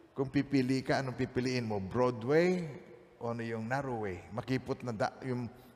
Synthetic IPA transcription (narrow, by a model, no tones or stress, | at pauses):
kʊŋpipilɪʔkaʔɐnopipɪlɪʔɪnmobɾod̪wej | ʔoʔɐnojʊŋnaɾowejmɐkiːpʊt̪̚nɐd̪a̰ʔjʊŋ